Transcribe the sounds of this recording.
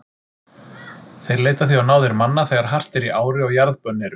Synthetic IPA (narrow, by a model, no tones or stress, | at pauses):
θejɾleːjt̪aθiawnaːwðɪɾmanːaθɛːɣaɾ̥ɦar̥t̪ɛɾiʔaːwɾɪɔɣjaɾðpœnːɪɾ